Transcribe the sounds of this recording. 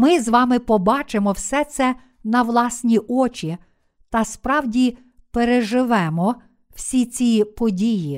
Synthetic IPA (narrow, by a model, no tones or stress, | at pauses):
mɪzʋɑmɪpɔbɑt͡ʃɪmɔwsɛt̪sɛ | nɐʋlˠɑsʲnʲiʔɔt͡ʃʲi | t̪ɐspɾɑwdʲi | peɾeʒɪʋɛmɔ | w̥sʲit͡sʲipɔdʲiji